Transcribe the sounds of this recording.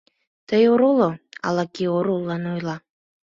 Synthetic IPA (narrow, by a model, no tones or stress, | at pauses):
t̪əjoɾoloɑ̰lɑkioɾolːɑnojlɑ